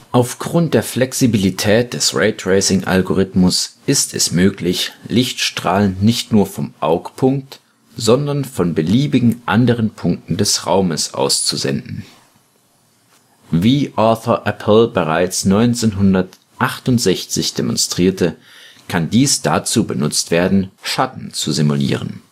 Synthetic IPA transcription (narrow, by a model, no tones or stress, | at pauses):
ʔaʊfɡ̥ʁʊnt̚d̥eːɐflɛksibilitʰɛːt̚d̥ɛsʁeɪtʁeɪsɪŋʔa̰lɡoʁɪtmʊsʔɪstʰɛ̰smøːklɪçlɪçtʃtʁ̥aːlənːɪçtnuːɐfɔmʔaʊkpʰʊŋk̚t | z̥ɔndɐnfɔnbəliːbɪɡŋ̩ʔa̰ndəʁənpʰʊŋk̚tn̩dɛsʁa̰ʊməsʔa̰ʊst͡suzɛ̰ndn̩ | viːʔɔθɐʔɛpʰl̩bəʁ̞aɪt͡snɔʏnt͡seːnɦʊndɐt | ʔaχtʊntz̥ɛçt͡sɪçd̥emɔ̰nstʁ̥iːɐtə | kʰandiːsd̥at͡suːbənʊt͡stv̥eːɐdn̩ʃatn̩t͡suzimulḭːʁ̞ə̰n